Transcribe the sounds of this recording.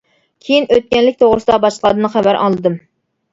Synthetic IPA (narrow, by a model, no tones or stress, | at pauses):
kʲʰejinøt̪̚kʲɛnlɪkʲt̪ʰoʁɾɨsɨd̪ɑbɑʃllˠɑd̪ɨnɨχævæɾʔɑ̰lˠːɨd̪ɨm